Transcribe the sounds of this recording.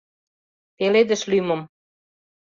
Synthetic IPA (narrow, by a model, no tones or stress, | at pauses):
peled̪ə̆ʃlymɤ̆m